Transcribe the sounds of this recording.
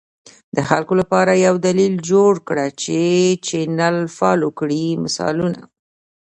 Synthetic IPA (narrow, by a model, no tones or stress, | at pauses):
d̪əxalkolapɑɾajawd̪alild͡ʒoɽkɽat͡ʃet͡ʃenalfɑlokɽimɪsɑ̰luna̰